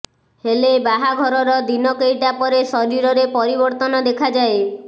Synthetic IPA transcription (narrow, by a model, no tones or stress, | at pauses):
helebaɦaɡʱɔɾɔɾɔd̪inɔkejʈapɔɾesɔɾiɾɔɾepɔɾibɔɾt̪ɔnɔd̪ekʰad͡ʒae